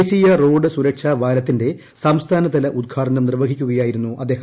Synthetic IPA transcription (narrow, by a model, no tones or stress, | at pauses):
sijɐro̞ːɖɨsuɾɐkʂɐʋaːɾɐt̪ːinde̞ | sɐmst̪ʰaːnɐt̪ːɐlɐʔud̪̚ɡʰʱaːʈɐnɐmnirʋɐɡʱikʲːuɣɐjaːjiɾunːuʔɐd̪ːeːhɐm